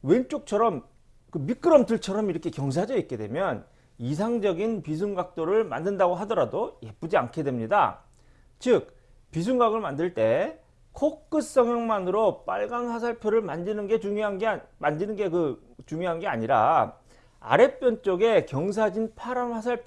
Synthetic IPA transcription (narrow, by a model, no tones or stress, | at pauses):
went͡ɕ͈ok̚t͡ɕʰʌɾʌm | kɯmik͈ɯɾʌmtɯɭt͡ɕʰʌɾʌmiɾʌkʰe̞kjʌŋs̬ʰad͡ʑʌit̚k͈e̞dwe̞̰mjʌn | is̬ʰaŋd͡ʑʌɡinpis̬ʰuŋɡak̚t͈oɾɯɭma̰ndɯndaɡoɦadʌɾadojep͈ud͡ʑia̰nkʰe̞dwe̞mɲida̰ | t͡ɕɯk̚ | pis̬ʰuŋɡaɡɯɭmandɯɭt͈e̞ | kʰok͈ɯs͈ʌŋjʌŋmanɯɾop͈aɭɡanɸas̬ʰaɭpʰjoɾɯɭmand͡ʑinɯnɡe̞t͡ɕuŋjoɦanɡmand͡ʑinɯnɡe̞kɯ | t͡ɕuŋjoɦanɡe̞a̰ɲiɾa̰ | a̰ɾe̞p͈jʌnt͡ɕ͈oɡe̞kjʌŋs̬ʰad͡ʑinpʰaɾanhasʰaɭpʰ